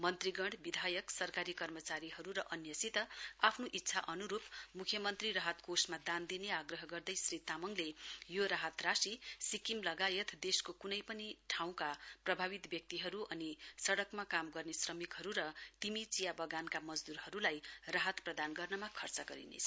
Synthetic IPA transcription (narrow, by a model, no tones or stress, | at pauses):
mʌnt̪riɡʌɳɽbid̪ʱajʌksʌrkaɾikʌrmʌt͡saɾiɦʌɾuɾʌʔʌnjʌsit̪ʌapʰnoʔit̪ːsʰaʔʌnuɾupmukʰjʌmʌnt̪riɾaɦʌt̪kosmad̪and̪ineaɡrʌɦʌɡʌrd̪ʌjsrit̪amʌŋlejoɾaɦʌt̪rasisikimlʌɡajʌt̪ʰd̪eskokunʌjpʌniʈʰaw̃kaprʌbʱabit̪bjʌk̚t̪iɦʌɾuʔʌnisʌɽʌkmakamɡʌrnesrʌmikɦʌɾuɾʌt̪imit͡sijabʌɡankamʌd͡zd̪uɾhʌɾulajraɦʌt̪prʌd̪anɡʌrnʌmakʰʌrt͡sʌɡʌɾḭnḛt͡sʰʌ